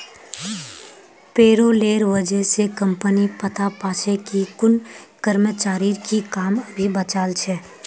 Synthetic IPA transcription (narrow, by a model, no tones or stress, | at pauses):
peːɾoleːɾʋəd͡ʒɛsekə̃mpənipət̪ʰapaːt͡ʃʰekikʊnkəɾmət͡ʃaːɾikikaːməbʱibət͡ʃaːlt͡ʃʰɛː